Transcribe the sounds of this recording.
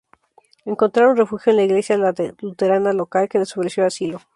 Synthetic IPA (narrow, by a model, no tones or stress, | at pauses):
e̞ŋko̞nt̪ɾaɾunre̞fuxjo̞enlaiɣle̞sjaðlalut̪e̞ɾanalo̞kalke̞ðesoβɾesjoasilo̞